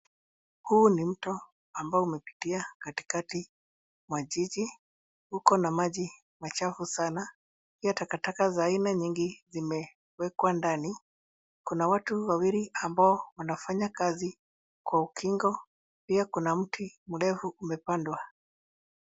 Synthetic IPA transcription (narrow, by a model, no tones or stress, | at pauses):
huːnim̩tɔ | ambaɔumɛpi̥tiakati̥kati | mwaʄid͡ʒi | hukɔnamaʄi | mat͡ʃafusana | piatakatakazaːinaɲiŋɡizimɛ | wɛkwandani | kunawatuwawiɾiambaɔwanafaɲakazi | kwaukʰiŋɡɔ | piakunam̩tʰimulɛvuʔumɛpandwa